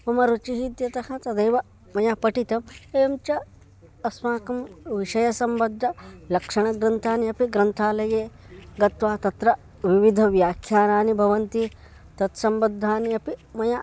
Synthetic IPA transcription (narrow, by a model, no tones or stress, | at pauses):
ɐmɐɾut͡ʃiɦit̪jɐt̪ɐhɐt̪ɐd̪ɐjʋɐ | mɐjapɐʈit̪ɐmeːɐmt͡ʃɐ | ɐsmaːkɐmʋiʂɐjɐsɐmbɐd̪ʱːɐlɐkʂɐɳ̃ɐɡɾɐnt̪ʰaːniɐpiɡɾɐnt̪ʰaːlɐjeː | ɡɐt̪ʋaːt̪ɐt̪ɾɐ | ʋiʋid̪ʱɐʋjaːkʰjaːnaːnibʱɐʋɐnt̪i | t̪ɐt̪sɐmbɐd̪ʱːaːniɐpimɐja